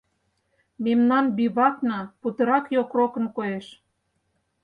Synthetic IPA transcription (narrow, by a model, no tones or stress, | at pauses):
memnɑnbiβɑknɑput̪ɤ̆ɾɑkjokrokɤ̆nkojeʃ